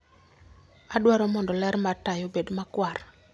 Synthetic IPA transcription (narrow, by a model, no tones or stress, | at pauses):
adwaɾɔmɔndɔlɛɾmatajɔbedmakwar